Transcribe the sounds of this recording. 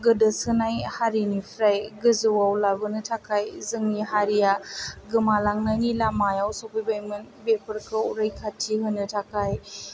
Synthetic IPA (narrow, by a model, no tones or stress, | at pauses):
ɡɯdɯsɯnajhaɾinipʰɾajɡɯzɯwawlabɯnɯtʰakʰajzɯŋniɦaɾijaɡɯmalaŋnajnilamajawsopijbajmɯnbepəɾkʰɯɾajkʰatʰiɦɯnɯtʰakʰaj